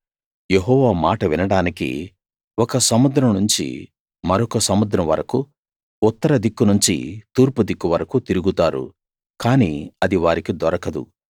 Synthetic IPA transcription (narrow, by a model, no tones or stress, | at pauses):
je̞ɦɔːʋaːmaːʈɐʋinɐɽaːnikḭ | ɔkɐsɐmud̪ɾɐmnuɲt͡ʃḭ | mɐɾɔkɐsɐmud̪ɾɐmʋɐ̰ɾɐku | ut̪ːɐɾɐd̪ikːunuɲt͡ʃḭt̪uːɾpud̪ikːuʋɐɾɐkut̪iɾuɡut̪aːɾṵ | kaːnḭːɐd̪iʋaːɾikid̪ɔɾɐkɐd̪ṵ